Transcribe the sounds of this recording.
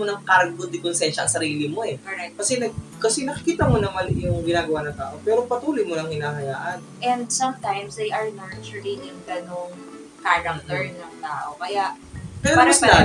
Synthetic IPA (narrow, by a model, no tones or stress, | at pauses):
onɐŋkaɾɡod̪ɪkonsɛnʃɐɐ̰ŋsɐɾiːlɪmo̞ɛkoɾɛkɐsɛnɐɡ̚kɐsɛnɐkɪkiːt̪ɐmonɐmanjʊŋɡɪnaːɡɐwanɐŋt̪a̰ːʔo̞pɛːɾo̞pɐt̪uːlojmonɐŋhɪnaːɦɐja̰ːʔɐnʔɛnd̪̚sɐmt̪ajmsd̪ejʔɐɹnaɹt͡ʃʊlɪŋjʊŋɡɐnoŋ | kaɾɐŋt̪ɛɹnɐŋt̪aːʔokɐjaʔ | pɛːɾomɐsd̪a